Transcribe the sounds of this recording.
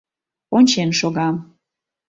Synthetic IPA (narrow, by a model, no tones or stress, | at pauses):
onʲt͡ɕenʃoɣɑm